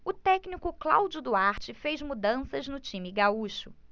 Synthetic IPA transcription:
ʊt̪ɛknikʊkla̰wd͡ʒʊd̪uaɾt͡ʃɪfejzmud̪ɐ̃sɐznʊt͡ʃĩmɪɡauʃʊ

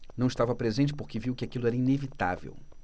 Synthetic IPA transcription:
nɐ̃w̃ʃt̪avɐpɾezẽnt͡ʃɪ̥poɾkeviwkɪakilʊɛɾɐinevit̪a̰vḛw

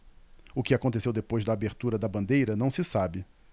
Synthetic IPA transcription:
ʊkɪakõnt̪esewd̪epojzd̪ɐːbeɾt̪uɾɐd̪ɐbɐ̃nd̪ejɾɐnɐ̃w̃sɪsabɪ

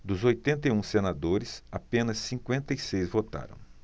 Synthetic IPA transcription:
d̪ʊzojt̪ẽnt̪ɐiũsenad̪oɾɪsapẽnɐsːĩŋkwẽnt̪ɐisejzvot̪a̰ɾɐ̰̃w̃

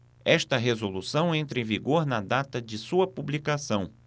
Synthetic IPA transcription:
ɛʃt̪ɐɦezolusɐ̃w̃ẽnt̪ɾẽviɡoɾnɐd̪at̪ɐd͡ʒɪsuɐpublikasɐ̃w̃

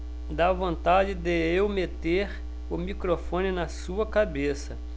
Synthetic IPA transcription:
d̪avõnt̪ad͡ʒɪd̪ɪewmet̪eɾ | ʊmikɾofõnɪnɐsuɐkabesɐ

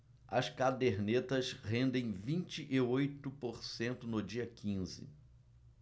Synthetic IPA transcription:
ɐskad̪eɾnet̪ɐshẽnd̪ẽj̃vĩnt͡ʃɪʔɪojt̪ʊpoɾsẽnt̪ʊnʊd͡ʒiɐkĩzɪ̰

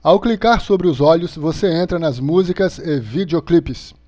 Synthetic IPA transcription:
awklikaɾsobɾɪʊzɔʎʊsvoseẽnt̪ɾɐnɐzmuzikɐzevid͡ʒeoklipɪs

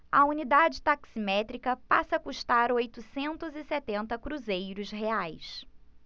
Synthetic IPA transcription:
ɐ̰unid̪ad͡ʒɪt̪aksimɛt̪ɾikɐpasɐkuʃt̪aɾojt̪ʊsẽnt̪ʊzɪsɛt̪ẽnt̪ɐkɾuzejɾʊsɦeajs

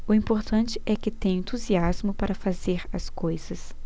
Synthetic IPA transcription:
ʊĩpoɾt̪ɐ̃nt͡ʃɪʔɛkɪt̪ẽj̃ẽnt̪uziazmʊpaɾɐfazeɾɐskojz̥ɐs

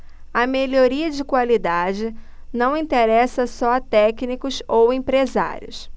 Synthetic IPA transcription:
ɐmeloɾiɐd͡ʒɪkwalid̪ad͡ʒɪ | nɐ̃w̃ĩt̪eɾɛsɐsɔɐt̪ɛknikʊsowẽpɾeza̰ɾiʊ̰s

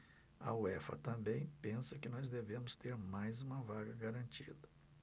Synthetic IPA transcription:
ɐ̰uɛfɐ̰t̪ɐ̃mbẽj̃pẽsɐkɪnɔzd̪evẽmʊst̪eɾmajzũmɐvaɡɐɡaɾɐ̃nt͡ʃid̪ɐ

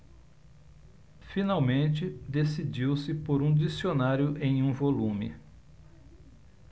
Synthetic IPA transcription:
finawmẽt͡ʃɪd̪esid͡ʒiwsɪpoɾũd͡ʒisionaɾjʊʔẽj̃ũvolũmɪ̰

